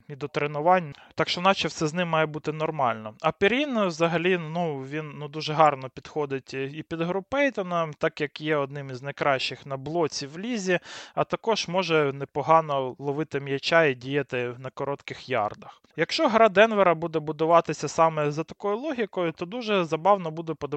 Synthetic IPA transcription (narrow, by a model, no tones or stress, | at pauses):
mʲid̪ɔt̪ɾenʊʋɑnʲt̪ɑkʃt͡ʃɔnɑt͡ʃɛwsɛznɪmːɑjɛbut̪ɪnɔrmɑlʲnɔɐpʲɪɾʲinwzɐɦɐlʲinuʋʲinnud̪uʒɛɦɑrnɔpʲid̪xɔd̪ɪtʲipʲid̪ɦɾʊpɛjt̪ɔnɐmt̪ɑkjɐkjɛɔd̪̚nɪmiznɐjkɾɑʃːɪxnɐblˠɔt͡sʲiwlʲizʲiɐt̪ɐkɔʒmɔʒɛnɛpɔɦɑnɔlˠɔʋɪt̪ɪmjɐt͡ʃaidʲijɐt̪ɪnɐkɔɾɔt̪kɪxjɑ̰rd̪ɐx | jɐkʃt͡ʃɔɦɐɾɑd̪ɛnʋeɾɐbud̪ɛbʊd̪ʊʋɑt̪ɪsʲɐsɑmɛzɐt̪ɐ̥kɔjʊlˠɔɦʲikɔjʊt̪ɔd̪uʒɛzɐbɑwnɔbud̪ɛpɔd̪ɐ